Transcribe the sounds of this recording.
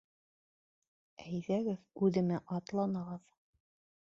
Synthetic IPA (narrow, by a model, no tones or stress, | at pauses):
æjðæɡɘðʉðɘ̆mæʔɑt̪lˠɑnɑʁɤð